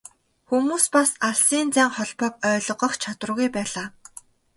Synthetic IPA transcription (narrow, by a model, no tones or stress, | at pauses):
xumuːspasaɬsiːnt͡sæːŋχɔɮpɔk̚œːɮɞ̆ʁɞ̆χt͡ɕʰat̪wə̆rɣujpæːɮaː